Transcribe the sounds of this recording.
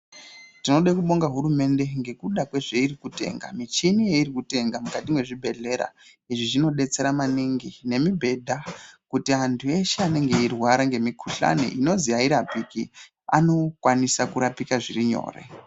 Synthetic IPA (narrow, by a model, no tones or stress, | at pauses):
tino̞ɗekuɓo̞ŋɡaɦuɾume̞nde̞ŋɡe̞kuɗakwe̞ʐeirikute̞̰ŋɡa̰mit͡ʃinije̞iɾikute̞ŋɡamukatimwe̞ʐibʱe̞ɮe̞ɾa̰ | iʐiʐino̞ɗe̞t͡se̞ɾamaniŋɡine̞mibʱe̞dʱakutiantʰue̞ʃeane̞ŋɡe̞irwaɾaŋɡe̞mikʰuɬa̰nḛʔino̞zijaiɾapiki | a̰no̞kwanisakuɾapikaʐiriɲo̞̰ːrḛ